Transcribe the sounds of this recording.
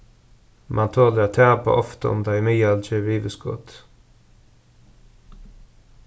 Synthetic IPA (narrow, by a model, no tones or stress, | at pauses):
mʔɑnt̪ʰoːləɾɑt̪ʰæːpa̰ʔɔft̪əɔ̰md̪ɑɪmiːɑlt͡ʃeʋiːʋəskɔ̰t̪